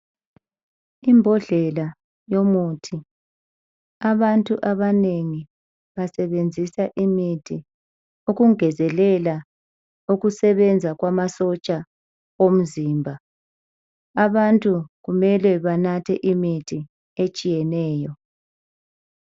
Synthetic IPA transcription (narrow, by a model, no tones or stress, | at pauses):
imbʱɔɮɛla | jomuːtʰi | aβantʼuʔaβaneŋi | βasɛβend͡zʱisaʔimitʰi | uɣuŋɛzɛlɛla | uɣusɛβɛnd͡zʱaɣwamasɔt͡ʃʼa | om̩ziːmbʱa | aβantʼuɣumɛlɛβanatʰɛʔimitʰi | et͡ʃʼijɛnɛːjɔ